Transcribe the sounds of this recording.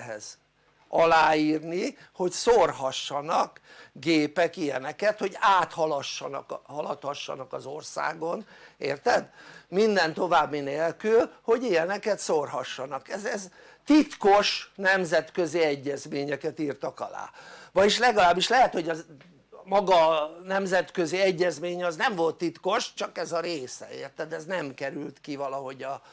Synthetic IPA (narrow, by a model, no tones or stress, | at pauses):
ɦɛ̰z | ɒlaːiːrni | ho̞csorɦɒʃːɒnɒkɡeːpɛkijɛnɛkɛt̪ho̞ɟaːt̪hɒlɒʃːɒnɒ̰khɒlɒt̪hɒʃːɒ̰nɒkɒzorsa̰ːɡo̞nḛːrt̪ɛd̪mind̪ɛnt̪o̞vaːbːineːlkylho̞ɟijɛnɛkɛt̪sorhɒʃːɒnɒkɛzɛz | t̪it̪ko̞ʃnɛmzɛt̪køziɛɟːɛzmeːɲɛkɛt̪iːrt̪ɒkɒla̰ːvɒjiʃlɛɡɒlaːbːiʃlɛɦɛt̪ho̞ɟɒ | mɒɡɒnɛmzɛt̪kø̞ziɛɟːɛzmeːɲɒznɛɱvo̞lt̪ːit̪ko̞ʃt͡ʃɒkɛzɒɾeːsɛ̰ḛːrt̪ɛd̪ɛznɛmkɛɾylt̪kivɒlɒɦo̞ɟɒ